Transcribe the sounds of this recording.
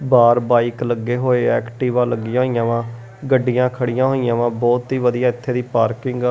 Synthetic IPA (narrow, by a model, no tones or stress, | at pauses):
baːɾbaːiːkləɡːeːɦoːeːɛːkʈiːʋãːləɡːijãːɦoiːãːʋãː | ɡəɖːɪjãːkʰəɽɪjãːɦoːijãːʋãːbɔːt̪iːʋəd̪ijaːɪt̪ʰːeːd̪iːpaːɾkɪŋɡa